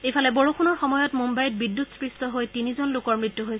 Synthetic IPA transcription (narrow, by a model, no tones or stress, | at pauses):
ejpʰalɛboɹukʰunɔɹxɔmɔjɔtmumbajit̚bidːutspɹistɔɦojtinizɔnlʊkɔɹmɹitːuɦojs